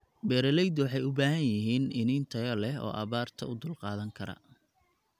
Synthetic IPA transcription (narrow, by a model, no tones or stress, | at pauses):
bɛːɾɐlɛjd̪wɑħɑjʊbaːɦɐnjɪɦiːnɪnɪnt̪ʰɐjɐlɛɦɔ̰ːʔɐβaːrt̪ʰɐ̰ʊd̪ʊlqɑːðɐŋkʰɐɾɐ̰